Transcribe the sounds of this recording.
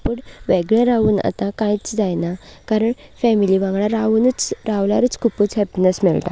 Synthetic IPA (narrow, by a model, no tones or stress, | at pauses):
pəɽʋeɡɭẽɾaʋuːna̰t̪ãkãjt͡sd͡zajnakaɾəɳfɛmiliʋãɡɭaɾaʋuːnət͡sɾaʋlaɾət͡skʰupuːt͡sɦɛpinesmɛɭt̪a̰